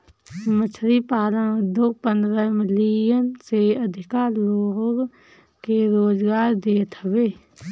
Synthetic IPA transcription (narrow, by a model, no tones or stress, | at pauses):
mət͡ʃʰɾipaːɾə̃nʊd̪ʱjoːɡ̚pənd̪ɾəmɪlijənseəd̪ʱɪkaːɾloːɡ | keɾoːd͡ʒɡaːɾd̪eːt̪ʰəbeː